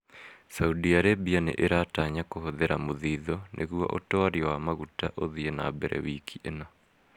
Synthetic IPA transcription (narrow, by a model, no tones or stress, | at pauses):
saudiaɾebianḛʔeɾataɲakohoðeɾamoðiðɔnʔeɣua̰ʔotɔaɾiɔwamaɣutaʔoðienabɛɾɛ̰wikiʔena